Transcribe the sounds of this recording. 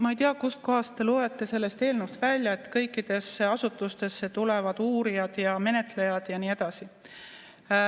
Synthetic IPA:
mɑejt̪iɑkusko̞ɦɑstt̪e̞lue̞t̪ːˑe̞se̞lːe̞st̪eːlnuwst̪vælʲjɑet̪ːkɤjkːˑid̪̥e̞seɑsut̪ːˑust̪e̞sːet̪ulevɑd̪̥uːɾijɑd̪̥jɑme̞ne̞t̪ˑle̞jɑd̪̥jɑniːe̞d̪̥ɑsi

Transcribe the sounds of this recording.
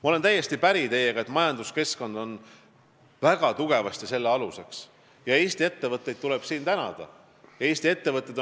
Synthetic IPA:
mɑo̞le̞nt̪æjːe̞st̪ipæɾit̪e̞jeɡ̥ɑe̞t̪mɑjɑnd̪̥uske̞sko̞nd̪̥o̞n | væɡ̥ɑt̪uɡ̥e̞vɑst̪ise̞lːeɑluse̞ks | jɑe̞ːst̪ie̞t̪ːe̞vɤt̪ˑːe̞jd̪̚t̪ule̞b̥siːnt̪ænɑ̰d̪̥ɑ̰ | jɑe̞ːst̪ie̞t̪ːe̞vɤt̪ːˑed̪

